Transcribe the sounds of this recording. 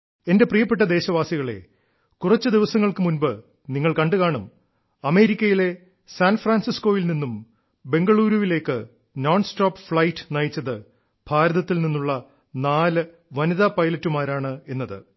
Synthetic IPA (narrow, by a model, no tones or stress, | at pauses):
e̞nde̞prijɐpːe̞ʈ̬ːɐd̪e̞ːɕɐʋaːsiɣɐɭe̞̰ | kurɐt͡ɕːɨd̪iʋɐsɐŋːɐɭkɨmunbɨ | niŋːɐɭkɐɳɖɨkaːɳɐm | ɐme̞ːɾikʲːɐjile̞ | saːnfraːnsisko̞ːjilninːum | be̞ŋɡɐɭuːɾuʋile̞ːkːɨ | noːnsʈoːpfɭɐjtːɨ̥nɐjit͡ɕːɐðɨ | b̥ʱaːɾɐðɐt̪ːilninːuɭːɐ | naːlɨ | ʋɐniðapɐjlɐtːumaːɾaːɳɨe̞nːɐðɨ̰